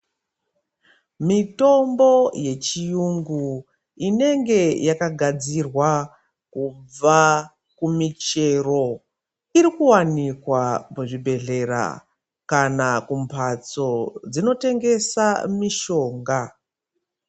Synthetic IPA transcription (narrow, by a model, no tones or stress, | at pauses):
mito̞mbo̞je̞t͡ʃijuŋɡu | ine̞ŋɡe̞jakaɡʱad͡zirwa | kub͡va | kumit͡ʃe̞ro̞ | iɾikuwanikwamuʐibʱe̞ɮe̞ɾa̰ | kanakumpʰat͡so̞d͡zino̞te̞ŋɡe̞samiʃo̞ːŋɡa